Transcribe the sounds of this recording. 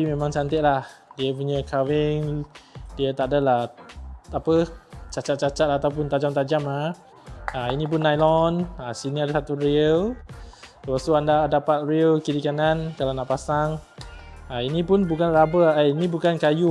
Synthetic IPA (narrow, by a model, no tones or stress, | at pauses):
imemaŋt͡ʃant̪ɪʔlahdiəp̬uɲəkʰawɪŋdiət̪aʔdalah | apət͡ʃat͡ʃat̪̚t͡ʃat͡ʃat̪̚aat̪awp̬ʊnt̪ad͡ʒamt̪ad͡ʒama | ainĩp̬ʊnːajlɔnasiniadasat̪uɾiəl | ləpast̪uandadapat̪̚ɾiəlkiɾikanankalawnaʔpasaŋ | ainĩpʊnbukanabəainĩbukankaju